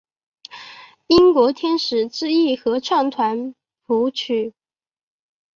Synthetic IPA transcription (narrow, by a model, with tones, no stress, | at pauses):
i˥ŋkwɔ˧˥t̪ʰjɛ˥nʂɻ̩˨˩ʈ͡ʂɻ̩˥˧i˥˩xɤ˧˥ʈ͡ʂʰɑ˥˩ŋt̪ʰwa˧˥n | fu˧˥t͡ɕʰy˨˩˦